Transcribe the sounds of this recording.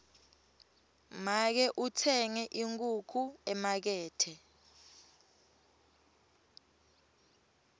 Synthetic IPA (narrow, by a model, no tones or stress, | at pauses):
mak̬ɛʔutʰɛŋɛʔiŋk̬ʼukʰuɛmak̬ɛːtʰɛ